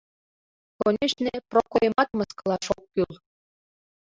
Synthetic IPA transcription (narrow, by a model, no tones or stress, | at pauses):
konʲeʃnʲeprokojmɑt̪mɤskɤ̆lˠɑʃok̚kylˠ